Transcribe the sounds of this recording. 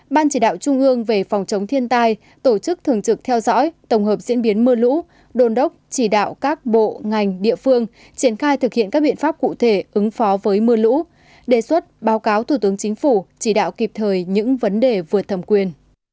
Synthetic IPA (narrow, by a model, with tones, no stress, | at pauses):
ɓaː˧nt͡ɕi˧˩ɗa̰ː˧˨wt͡ɕʊ˧ŋ͡mʔɨ˧əŋve˨˩fa˨˩wŋ͡mt͡ɕə˨˦ŋ͡mt̪ʰi˧ənt̪aː˧j | t̪o˧˩t͡ɕɨ˦˥k̚t̪ʰɨ˨˩əŋt͡ɕɨ˨˩k̚t̪ʰɛ˧wzɔ̰˧˥jt̪ə˧˩wŋ͡mɦəː˨˩p̚zḭ˧˥ənɓi˨˦ənmɨ˧əlṵ˧˥ | ɗo˨˩nɗə˦˥wk͡p̚t͡ɕi˧˩ɗa̰ː˧˨wkaː˦˥k̚ɓo̰˧˨ŋa˨˩jŋ̟ɗḭ˧˨əfɨ˧əŋ | t͡ɕi˧˩ənxaː˧jt̪ɨ˨˩k̚hḭ˧˨ənkaː˦˥k̚ɓḭ˧˨ənfaː˦˥p̚kṵ˧˨t̪ʰe˧˩ʔɨ˨˦ŋfɔ˨˦vəː˨˦jmɨ˧əlṵ˧˥ | ɗe˧˩swə˦˥t̚ɓaː˨˦wkaː˨˦wt̪ʰu˧˩t̪ɨ˨˦əŋt͡ɕï˨˦ŋ̟fu˧˩t͡ɕi˧˩ɗa̰ː˧˨wki˨˩p̚t̪ʰəː˨˩jɲɨ̰˧˥ŋvə˨˦nɗe˨˩vɨ˨˩ə˩t̪ʰə˨˩mkwi˨˩ən